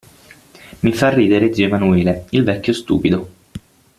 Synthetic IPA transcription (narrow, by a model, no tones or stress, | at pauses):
mifarːiːd̪eɾeziemanuiːleilvɛkʲːost̪ṵːpid̪o